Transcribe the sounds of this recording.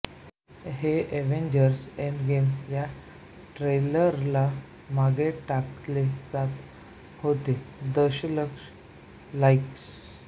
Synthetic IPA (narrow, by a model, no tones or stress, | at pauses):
ɦeʔeʋeɲd͡ʑəɾseɳɡemja | ʈɾeləɾla | maɡeʈakled͡zat̪ | hot̪ed̪əɕləkʂ | laiks